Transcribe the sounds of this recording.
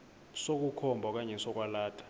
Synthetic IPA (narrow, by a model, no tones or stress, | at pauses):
sok̬ukʰɔmbʱɔk̬aɲɛsɔk̬ʼwalaːtʰḁ